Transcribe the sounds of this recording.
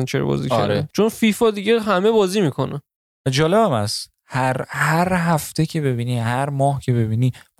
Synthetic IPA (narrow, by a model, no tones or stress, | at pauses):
ænt͡ʃʰeɾɔ̰bɒ̰ːzḭæ̰ɾet͡ʃʰonfiːfɒd̪iɟeɦæmebɒːziːmikʰo̞næ | æd͡ʒɒːle̞bæmæs | hæɾhæɾɦæft̪ʰecʰe̞be̞biːniːhæɾmɒːhcʰe̞βe̞biːni